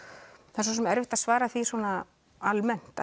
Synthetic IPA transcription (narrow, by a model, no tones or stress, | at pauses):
θɛsɔsɛmɛɾvɪht̪asvaːɾaθiswɔːna | almɛn̥t̪a